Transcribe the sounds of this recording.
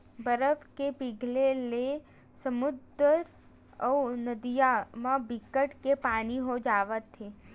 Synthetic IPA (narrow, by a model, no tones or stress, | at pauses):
bəɾəfkepiɡlele | səmʊd̪əɾ | əunəd̪ijamãbikəʈkepaniɦod͡ʒaʋət̪ʰːe